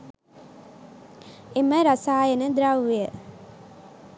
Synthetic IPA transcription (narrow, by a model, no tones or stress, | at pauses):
eməɾɐsaːjənəd̪ɾaʋjə